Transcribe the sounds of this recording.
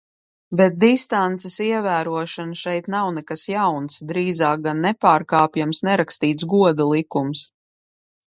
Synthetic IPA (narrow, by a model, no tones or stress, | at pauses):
bɛt̪̚d̪ist̪ant̪sesiɛvæːɾuɔʃanʃɛjt̪nawnɛkasjawnsd̪ɾiːzaːk̚ɡanːɛpaːɾkaːpjamsnɛɾakst̪iːt̪sɡuɔd̪ulˠikums